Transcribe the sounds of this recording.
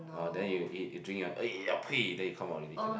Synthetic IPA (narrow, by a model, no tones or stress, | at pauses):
ɔdɛ̃njuiudɹĩŋjɔ̃nəɔpʰidɛ̃njukʰãmɔɹɛdi